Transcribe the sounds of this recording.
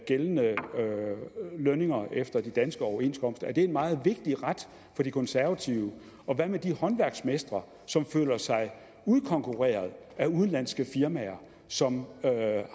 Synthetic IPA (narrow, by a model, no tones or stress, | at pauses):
ɡ̥elnə | løne̝ŋɐʔefd̥ɐd̥id̥ænsɡ̥əɒʊɐe̝nsɡ̥ʰɒ̽m̰sd̥ɐæɐd̥e̝enmɑ̈ːð̞̩ˠʋe̝ɡ̥̚d̥iʁad̥ | fɒ̽d̥ikʰɒ̽nsæɐʋæt͡sʰiʊə | ɒ̽ʋæmed̥ihɒ̽nʋæɐɡ̥smesd̥ʁɐ | sɒ̽mfø̰ːlɐsɑ̈ɪ | uð̞ˠkʰɒ̽ŋkʰuʁḛːɐð̞̩ˠ | æuð̞ˠn̩lænsɡ̥əfiɐmæɐ | sɒ̽m